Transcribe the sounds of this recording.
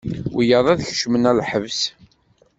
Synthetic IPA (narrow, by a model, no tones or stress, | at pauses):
wijəðˤæðçʃmənælħəvs